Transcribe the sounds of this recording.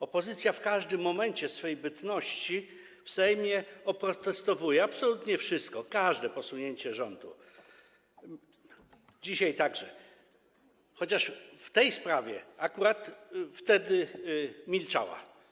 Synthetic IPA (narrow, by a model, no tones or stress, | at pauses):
ɔpɔzɘt̪sʲjafkaʐd̪ɘmːɔmɛɲt͡ɕɛsfɛjbɘt̪nɔɕt͡ɕi | fsɛjmʲjɛɔpɾɔt̪ɛst̪ɔvujɛapsɔlut̪ɲɛfʂɘst̪kɔkaʐd̪ɛpɔsuɲeɲt͡ɕɛʐɔnd̪ṵ | d͡ʑiɕajt̪aɡʐɛ | xɔt͡ɕaʂft̪ɛjspɾavʲjɛakuɾat̪ft̪ɛd̪ɘmʲilt͡ʂa̰wa̰